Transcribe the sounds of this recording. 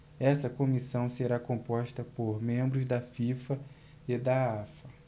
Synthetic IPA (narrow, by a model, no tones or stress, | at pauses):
ɛsɐkõmisɐ̃w̃seɾakõpɔʃt̪ɐpoɾmẽmbɾʊzd̪ɐfifɐ | ed̪ɐafɐ